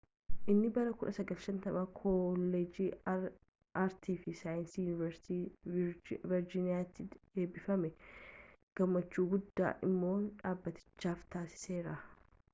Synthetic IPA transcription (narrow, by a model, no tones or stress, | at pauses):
ʔɪnːɪbɐɾɐkʊᶑɐsɐɡɐlʃɐnt̪ɐmakʰɔlːed͡ʒiː | ʔɐɾt̪ʰiːfɪsaːjɪnsiːjʊnɪvɛɾsɪ̥t̪iː | vɪɾd͡ʒɪnɪjaːt̪ːɪe̞ːbɪfɐmɛ | ɡ̥ɐmːɐt͡ʃːuːɡʊd̪ːa̰ːʔɪmːo̞ːᶑaːbːɐt̪ɪ̥t͡ʃːaːft̪aːsɪ̥se̞ːɾɐ